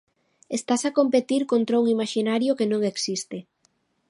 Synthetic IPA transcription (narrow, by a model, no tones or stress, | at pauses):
est̪asakompet̪iɾkont̪ɾauŋimaʃinaɾjokenõŋeksist̪e